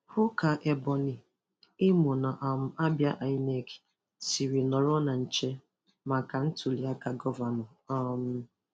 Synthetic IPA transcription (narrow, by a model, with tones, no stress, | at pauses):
hʊ˦ka˨ʔe˨bɔ˨ni˨ | ɪ˦mʊ˨na˨ʔa˨m̩˦a˦bja˦ʔa˨i˦ne˦˨ki̥˨ | si˨ɾi˨nɔ˨ɾɔ˦na˨n̩˨t͡ʃe˦ | ma˨ka˨n̩˦tu˨li˨˦a˦ka˨ɡɔ˦va˨nɔ˨ | a˦˨m̩˦